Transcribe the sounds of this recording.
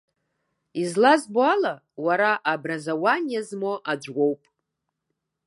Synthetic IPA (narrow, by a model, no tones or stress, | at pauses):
izlazboala | waɾaʔabrazawanjazmoʔad͡ʒʷɡʷo̞wpʼ